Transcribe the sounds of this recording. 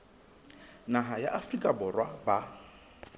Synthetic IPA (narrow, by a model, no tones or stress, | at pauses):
naɦajaʔafrikʼabɔrwaba